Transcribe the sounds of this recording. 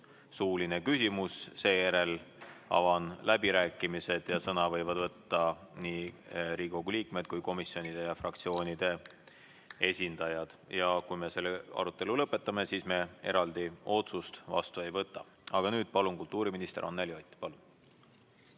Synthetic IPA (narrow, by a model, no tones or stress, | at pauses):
suːline̞kysʲimusse̞ːjæɾe̞lɑ̰vɑnlæbiɾæːkːˑimise̞d̪̥jɑsɤnɑvɤ̞jvɑd̪̥vɤt̪ːɑniːɾiːko̞ɡuliːkme̞d̪̥̚kujko̞misːio̞nid̪̥e̞jɑfrɑkt̪sio̞ːnʲid̪̥e̞ | e̞sʲind̪̥ɑjɑd̪̥jɑkujme̞se̞lːeɑ̰ɾut̪ːˑe̞lulɤpːˑe̞t̪ːˑɑme̞sisme̞e̞̰ɾɑld̪io̞t̪sust̪vɑ̰st̪ue̞jvɤt̪ːˑɑ | ɑɡ̥ɑnyːd̪̥pɑlunkult̪ːˑuːɾiminist̪e̞̰ɾo̰nːeljot̪ʲːˑi̥pɑlun